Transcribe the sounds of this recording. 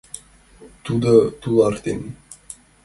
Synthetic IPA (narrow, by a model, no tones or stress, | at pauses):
t̪ud̪ət̪ulˠɑɾt̪en